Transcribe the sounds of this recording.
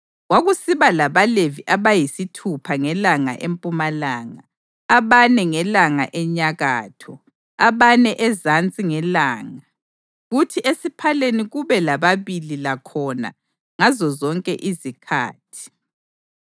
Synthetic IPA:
ɣwaɣusiβalaβaleviʔaβajisitʰupʰaŋɛlaŋa̰ʔempʼumalaːŋaː | βanɛŋɛlaŋa̰ʔɛɲaɣa̰ːtʰɔ | aβanɛʔɛzant͡sʼiŋɛlaːŋa | ɣutʰiʔesipʰaleniɣuβɛlaβaβililakʰɔna̰ | ŋazɔzɔŋkʼɛ̰ʔizikʰa̰ːtʰi̥

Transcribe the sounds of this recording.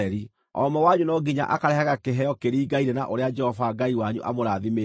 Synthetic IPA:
ɛɾi | ɔ̰mɛwaɲunɔɡiɲa̰ʔakaɾɛhaɣakeɦɛjɔkeɾiːɡaiɾɛnaʔoɾead͡ʒɛhɔvaɡaiwaɲṵʔa̰moɾaðime

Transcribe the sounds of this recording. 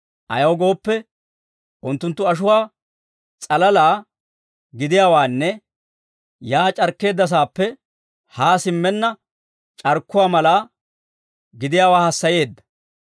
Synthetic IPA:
ʔɐ̰jɐwɡo̞ːpːɛ | ʔʊnt̪ːʊnt̪ːʊɐʃ̬ʊwaː | t͡sʼɐlɐlaː | ɡɪd̪ɪjaːwaːnːɛ | jaːt͡ʃʼɐɾkːe̞ːd̪ːɐs̬aːpːɛ | haːsɪmːɛnːɐ | t͡ʃʼɐɾkːʊwaːmɐlaː | ɡɪd̪ɪjaːwaːhɐsːɐje̞ːd̪ːɐ̥

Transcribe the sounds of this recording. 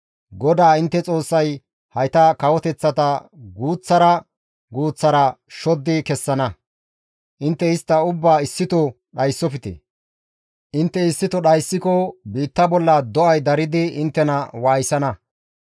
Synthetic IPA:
ɡɔd̪aːɪnt̪ːɛt͡sʼo̞ːsːɐj | hɐjt̪ɐkɐwɔt̪ɛt͡sːɐt̪ɐɡuːt͡sːɐɾɐ | ɡuːt͡sːɐɾɐʃɔd̪ːɪkɛsːɐnɐ | ʔɪnt̪ːɛɪst̪ːɐʊbːaːɪsːɪt̪ɔ | ɗɐjsːɔpɪt̪ḛ | ʔɪnt̪ːɛɪsːɪt̪ɔɗɐjsːɪkɔbiːt̪ːɐbɔlːɐd̪ɔʔɐjd̪ɐɾɪd̪ɪɪnt̪ːɛnɐwaːjsɐnɐ

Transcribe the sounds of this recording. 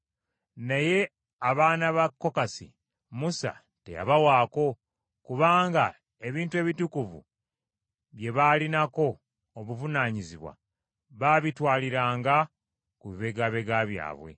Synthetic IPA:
naje̞ | aβaːnaβakːo̞kasḭ | musa̰ | te̞̰ja̰βawaːko̞ | kuβaːŋɡa | e̞βiːntue̞βitukuvṵ | βje̞βalinako̞ː | βuvunaːɲiziβwa̰ | βaβitwaːliɾaːŋɡa | kuβiβe̞ɡaβe̞ɡaβja̰ːβwe̞̰

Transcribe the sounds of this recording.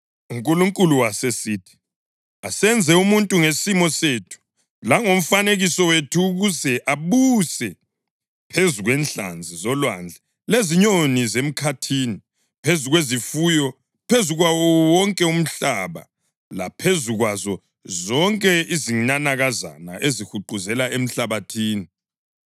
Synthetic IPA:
uŋkʼuluŋkʼuluwasesiːtʰi̥ | asɛnd͡zʱɛumuntʼuŋesimɔsetʰu̥ | laŋom̩faneɣisɔwetʰuːɣuzɛʔaβusɛ | pʰezuɣwɛnt͡ɬa̰nd͡zʱizɔlwand͡ɮʱɛ | leziɲonizem̩kʰatʰiːni | pʰezuɣwezifujɔ | pʰezuɣwawɔwɔŋkʼɛum̩ɬaβa̰ | lapʰezuɣwazɔ | zɔŋkʼɛiziɲanaɣaza̰na̰ʔezihuǃuzɛlaem̩ɬaβatʰiːni

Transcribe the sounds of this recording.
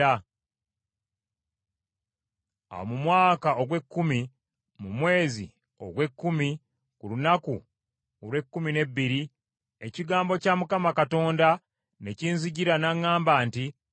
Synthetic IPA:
a | a̰wo̰mumwaːkao̞ɡwe̞kːumi | mumwe̞ːzḭ | o̞̰ɡwe̞kːumi | kulunaku | olwe̞kːumine̞bːiɾi | e̞ciɡaːmbo̞camukamakato̞ːnda | ne̞ciːnziɟiɾanaŋːaːmbaːnti

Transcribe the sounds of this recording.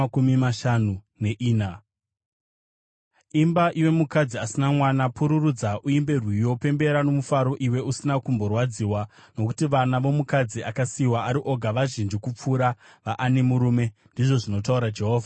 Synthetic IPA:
kumimaʃanu | ne̞ʔiːna | imbaʔiwe̞mukad͡ziasinamwanapuɾurud͡zaʔuimbe̞rwijo̞pe̞mbe̞ɾano̞mufaɾo̞ʔiwe̞usinakumbo̞rwad͡ziwano̞ku̥tiʋanaʋo̞mukad͡ziakasiwaʔaɾiʔo̞ɡʱaʋaʒind͡ʒikup͡fuːɾa | ʋaʔane̞muɾume̞ndiʐo̞ʐino̞t̬auɾad͡ʒe̞ɦo̞ːvʱa

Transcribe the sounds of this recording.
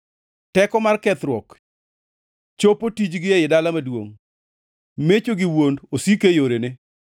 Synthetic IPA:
tɛkɔmarkɛt̪ɾwɔk | t͡ʃopotid͡ʒɡɪɛjɪdalamadwoŋ | met͡ʃoɡɪwondosikejoɾenɪ

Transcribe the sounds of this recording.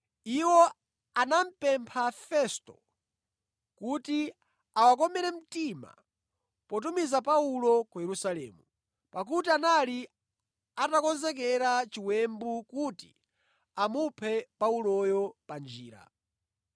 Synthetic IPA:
iwɔ | anam̩pɛmpʰafɛstɔ̰ | kuti | awak̬ɔmɛɾɛm̩tima̰ | pɔt̬umizapaulɔkujɛɾusalɛ̰ːmu | pak̬utianali | atakɔnzɛk̬ɛɾat͡ʃiwɛmbukuti̥̰ | amupʰɛpaulɔjɔpand͡ʒḭːɾa̰

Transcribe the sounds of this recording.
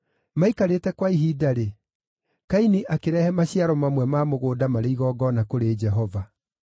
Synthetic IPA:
maikaɾetɛkwaiɦiːdaɾe | kainiʔakeɾɛhɛmaɕjaɾɔmamwɛmaːmoɣoːdamaɾeiɣɔːɡɔnakoɾed͡ʒɛɦɔva

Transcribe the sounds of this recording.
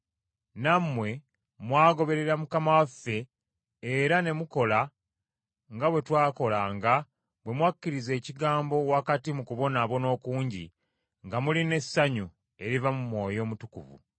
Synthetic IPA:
namːwe̞ | mwaːɡo̞βe̞ɾe̞ɾamukamawafːe̞ː | ɾane̞muko̞la | ŋɡaβwe̞twaːko̞laŋɡa | bwe̞mwacːiɾize̞ːciɡaːmbo̞wakatimukuβo̞naβo̞no̞ːkuːɲɟḭ | ŋɡamuline̞sːaɲu | e̞ɾivamumwo̞ːjo̞ːmutukṵvṵ

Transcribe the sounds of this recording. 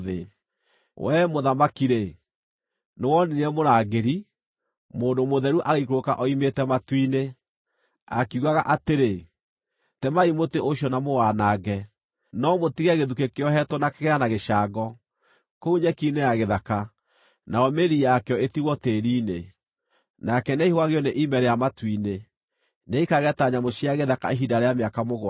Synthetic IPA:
ðḛ | wɛmoðamakiɾe | newɔninɛmoɾaɡeɾi | moːndomoðɛɾuʔaɣekoka̰ʔɔimetɛmatwine | a̰kiuɣaɣaʔateɾe | tɛmaimoteʔoɕjɔnamowaːnaɡɛ | nɔmotiɣɛɣeðukekeɔɦɛtwɔnakeɣɛanaɣeʃaɡɔ | kouɲɛkinejaɣeðaka | naɔmeɾijakɛɔetiɣɔteːɾiːne | nakɛneihoaɣeɔneʔimɛɾejamatwine | neikaɣɛtaɲamoʃiaɣeðaka̰eɦidaɾeameakamoɣwa

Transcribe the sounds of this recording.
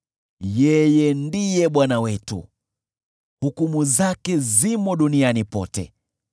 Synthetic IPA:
jɛjɛndijɛɓwanawɛtṵ | hukumuzakɛzimɔɗunianipɔ̰tɛ̰

